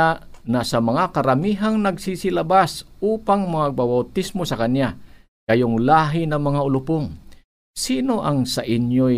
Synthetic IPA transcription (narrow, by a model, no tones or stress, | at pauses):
anɐsɐmɐŋakɐɾɐmiːɦaŋnɐɡsisɪlɐbasʔuːpaŋmɐŋaɡ̚babawt̪ismosɐkanja | ɡɐjoŋlaːɦɪnɐmɐŋaʊlʊpoŋ | siːno̞ʔɐŋsɐʔɪnjo